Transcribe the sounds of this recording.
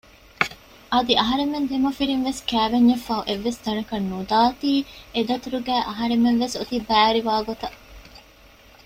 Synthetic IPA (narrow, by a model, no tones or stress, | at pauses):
ɐd̪iɐɦɐɾemːend̪emɐfiɾinʋeskæːʋeɲːɐfːɐːuʔeʋːesd̪ɐnɐkɐnːud̪aːt̪iːed̪ɐt̪uɾuɡæːʔɐɦɐɾemːenʋesot̪ibæːɾiʋaːɡot̪ɐ